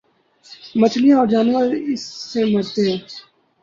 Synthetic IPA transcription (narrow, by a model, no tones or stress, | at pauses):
mət͡ʃʰlijãɔːɾd͡ʒaːnʋəɾɪsːeməɾt̪eɦɛ̃ː